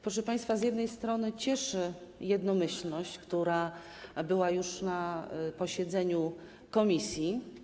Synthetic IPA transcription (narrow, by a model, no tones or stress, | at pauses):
pɾɔʂ̬ɛpaj̃st̪fazʲjɛd̪nɛjst̪ɾɔnɘt͡ɕɛʂɘjɛd̪nɔmɘɕlnɔɕt͡ɕkt̪uɾa | bɘwajuʂnapɔɕɛd̪zɛɲu | kɔmʲisʲji